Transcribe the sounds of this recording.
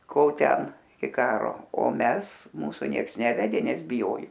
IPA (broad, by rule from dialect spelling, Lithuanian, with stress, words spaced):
ˈkoːlˠ ˈtʲɛn ɪ ˈkɑːroː oː ˈmʲɛs ˈmuːsʊ ˈnʲiɛks ˈnʲæːʋʲɛdʲeː ˈnʲɛs bʲɪˈjoːjʊ